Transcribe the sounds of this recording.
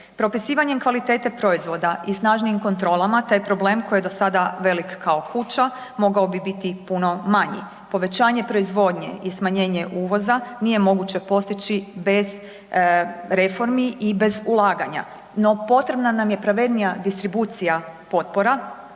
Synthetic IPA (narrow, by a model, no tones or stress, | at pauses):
pɾo̞pisiːʋaɲe̞mkʋalit̪e̞ːt̪e̞pɾo̞izʋo̞d̪aʔisnaːʒniːmko̞nt̪ɾo̞ːlˠamat̪aːjpɾo̞ble̞ːmkʰo̞jed̪o̞sad̪aʋe̞likːao̞kʰut͡ɕa | mo̞ɡaobibit̪ipuno̞maɲḭ | po̞ʋe̞t͡ɕaːɲe̞pɾo̞izʋo̞ːd̪ɲe̞̰ʔismaɲe̞ːɲe̞ʔuːʋo̞zanije̞mo̞ɡut͡ɕe̞po̞st̪it͡ɕibe̞z | ɾe̞fo̞ɾmiʔibe̞zulˠaːɡaɲa̰ | no̞po̞t̪ɾe̞bnanamje̞pɾaʋe̞d̪nijad̪ist̪ɾibuːt̪sijapo̞t̪̚po̞ɾa